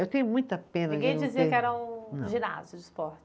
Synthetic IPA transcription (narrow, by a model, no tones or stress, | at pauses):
ewt̪ẽj̃ʊmũj̃t̪ɐpẽnɐiɡẽj̃d͡ʒiziɐkɪɛɾɐũʒĩna̰zjʊd͡ʒɪspɔɾt͡ʃɪ̥